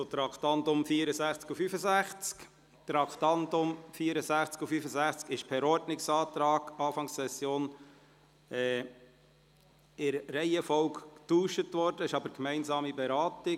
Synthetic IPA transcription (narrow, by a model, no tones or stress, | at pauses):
sot̪ɾɑkt̪ɑntʊmfiːəɾəsæχt͡skufyfəsæχt͡sk | t̪ɾɑktɑntʊmfiːəɾəsæχt͡skufyfəzæχt͡skɪʃpʰɛɾɔɾdnɪksɑːt̪ɾɑːɡ̥ɑːfɑŋsɛsjoːn | ɛ | ɪɾːɛɪɛfɔwkːtuːʃətʋɔɾd̥əɪʃɑbəɾkmɛɪnzɑːmibɛɾɑːtɪ